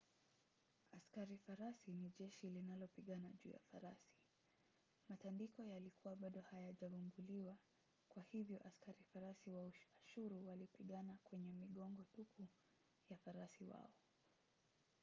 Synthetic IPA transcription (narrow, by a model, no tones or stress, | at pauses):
askaɾifaɾasiniʄɛʃilinalɔpiɠanaʄuːja̰faɾasi̥ | matandikɔjalikʰuwaɓaɗɔhajaʄavumbuliwa | kwahivjɔʔaskaɾifaɾasiwauaʃuɾuwalipiɠanakwɛɲɛmiɠɔŋɡɔtuku | jafaɾasiwa̰ɔ